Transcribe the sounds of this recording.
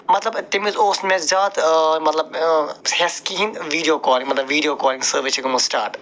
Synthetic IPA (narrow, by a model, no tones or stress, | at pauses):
mɐt̪lɐbt̪ɪmizoːsmẽzzaːt̪mɐt̪lɐb̚hɛskiɦĩnd̪ʋiːɖijoːkɔːlɪ̃ŋɡmɐt̪lɐbʋiːɖijoːkɔːlɪ̃ŋɡsəːɾʋɪst͡ʃikumɐsʈaːɾʈ